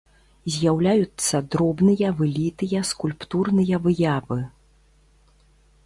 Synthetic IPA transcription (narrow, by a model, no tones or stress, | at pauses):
zʲjawlʲajut̪sːɐd̪ɾɔbnɨjɐvɨlʲit̪ɨjɐskulʲpt̪urnɨjɐvɨjavɨ